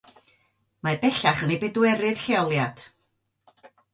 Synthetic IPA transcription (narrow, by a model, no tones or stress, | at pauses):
mabɛɬaχənibɛdwɛɾɨð̥ɬeɔlˠjad̥